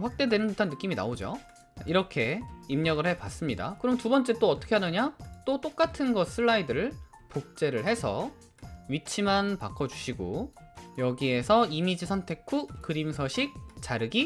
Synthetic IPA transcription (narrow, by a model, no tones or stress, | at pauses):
ɸwak̚t͈e̞dwe̞nɯnputʰanːɯk͈imina̰od͡ʑo̰ | aʔiɾʌkʰe̞imɲʌɡɯɭhe̞pas͈ɯmɲida̰kɯɾʌmntubʌnt͡ɕ͈e̞t͈oʌt͈ʌkʰe̞ɦanɯɲat͈ot͈ok͈atʰɯnɡʌs͈ʰɯɭːaidɯɯɭ | pok̚t͡ɕ͈e̞ɾɯɭɦe̞sʰʌ | ɥit͡ɕʰimanpakʰʌd͡ʑuɕʰiɡo̰jʌɡie̞sʰʌimid͡ʑisʰʌntʰe̞kʰukɯɾimsʰʌɕʰik̚t͡ɕaɾɯɡi